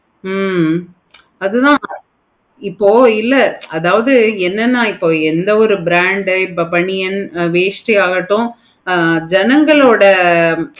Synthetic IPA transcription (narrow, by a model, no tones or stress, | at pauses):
m | ɐðɯt̪ãː | ɪpːoːɪlːɐɐðaːʋɐðɯɛnːɐnːaːɪpːoːɛnd̪ɐɔɾɯbɪɾaːɳɖɪpːɐpɐɳɪjɐnʋeːsʈiaːɣɐʈːʊ̃ | d͡ʒɛnɐŋɡɐɭoːɽɐ